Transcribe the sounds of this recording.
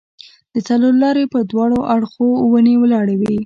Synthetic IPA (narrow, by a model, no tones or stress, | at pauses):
d̪̥ət͡salolɑɾepəɾd̪wɑɽoʔaɽxowənewəlɑɽawi